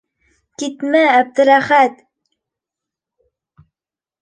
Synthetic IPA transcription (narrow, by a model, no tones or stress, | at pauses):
kit̪mææb̚d̪ɘ̆ɾæχæt̪